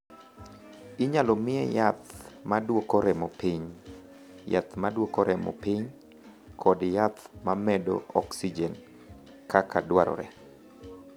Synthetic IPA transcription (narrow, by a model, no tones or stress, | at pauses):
ɪɲalɔmɪɛjat̪madwokoɾɛmɔpiɲ | ja̰t̪madwokoɾɛmɔ̰piɲ | kʰɔdjat̪mamɛdo̰ɔksid͡ʒɛn | kakadwaɾɔ̰ɾɛ̰